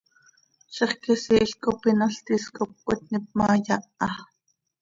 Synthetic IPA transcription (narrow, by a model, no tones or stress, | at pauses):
ʃeχkisiʔɬkopinɑɬt̪iskop̚kot̪̚nip̚mɑːjɑʔɑ